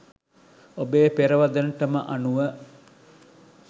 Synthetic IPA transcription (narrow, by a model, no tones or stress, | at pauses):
obeːpeɾəʋad̪ənʈəməʔanuʋə